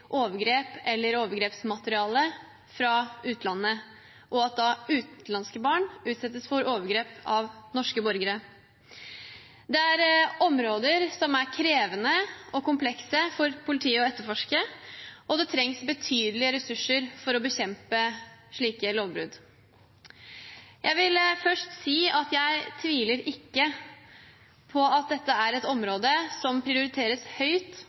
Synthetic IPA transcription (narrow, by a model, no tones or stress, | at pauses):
ʔoːʋəɡɾeːpɛlːəɾoːʋəɾɡɾeːpsmɑt̪əɾɪɑːlə | fɾɑʉːt̪lɑnːə | ʔɔɑt̪̚d̪ɑʉːt̪lɑnskəbɑːɳʉːt̪sɛt̪ːəsfɔɾʔoːʋəɾɡɾeːpɑʋnɔʂkəbɔɾɡəɾə | d̪ɛæɾɔmɾoːd̪əɾsɔmæɾkʰɾeːʋənəɔkʊmpʰlɛksəfɔɾpʰʊlɪt̪ʰiːəɔɛt̪ːəɾfɔʂkəʔɔd̪ɛt̪ʰɾɛŋsbət̪ʰyːd̪əlɪəɾɛsʉʂːəɾfɔɾɔbəçɛmpəʂɭiːkəloːʋbɾʉ̰d̪ | jʔæɪʋɪlfœʂtsiːɑt̪jæɪt̪ʰʋiːləɾɪkːə | pʰɔɑt̪̚d̪ɛt̪ːəæɾɛt̪ɔmɾoːd̪əsɔmpʰɾɪʊɾɪt̪ʰeːɾəshœʏt̪